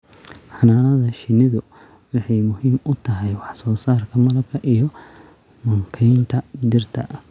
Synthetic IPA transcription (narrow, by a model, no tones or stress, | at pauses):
ħɑnaːnɐðɐʃɪnɪðʊwɪħɑjmʊhiːmʊt̪ʰɐɦɛjwɑħsɔːsaːrkʰɐmɐlɐb̚kʰɐʔijɔ | mɐŋkʰɛjnt̪ʰɐd̪ɪrt̪ʰɐ̰ʔɐ